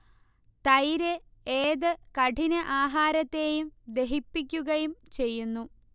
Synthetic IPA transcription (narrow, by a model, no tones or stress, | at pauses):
t̪ɐjɾeeːðɨkɐʈʰinɐʔaːɦaːɾɐt̪ːe̞ːjumd̪e̞ɦipːikʲːuɣɐjumt͡ɕe̞jːunːu